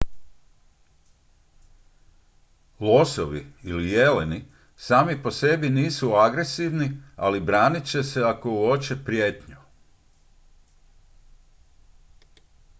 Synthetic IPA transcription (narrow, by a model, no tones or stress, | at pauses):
lo̞soʋḭilije̞leni | saːmipo̞se̞biniːsuaɡɾe̞siʋnia̰libɾaːnit͡ɕe̞se̞ako̞uot͡ɕe̞pɾjeːt̪ɲu